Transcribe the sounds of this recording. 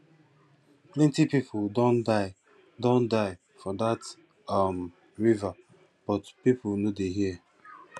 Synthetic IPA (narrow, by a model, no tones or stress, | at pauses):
plɛ̃ntipipʰʊdõndaɪ | dõndaɪ | fɔdat | am | ɹiva | b̥ɔtpipʊnodeɦiɛ